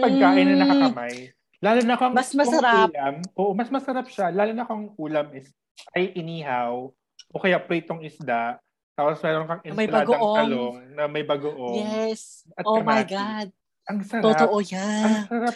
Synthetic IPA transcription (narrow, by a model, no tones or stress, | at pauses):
pɐɡ̚kaːʔɪnɐɐɐkɐmaj | laːlonɐkoɐŋmɐsmɐosɐɾalɐmʔoːʔmɐsmɐsɐɾap̚ʃalaːlonɐkoɐŋʔuːlɐmɪs | ʔɐjʔɛniɦaw | ʔokɐjapɾɛt̪oŋɪsd̪aʔ | t̪aːposmɛːɾonkɐŋʔɛnmɐjlbɐaːdɡoɐʔoɐloŋnɐmɐjbɐɡoʔojɛs | ʔɐt̪ʔoɐmajɡad̪̚ | ʔɐŋsɐɾt̪aot̪oʔojaɐŋsɐɾap̚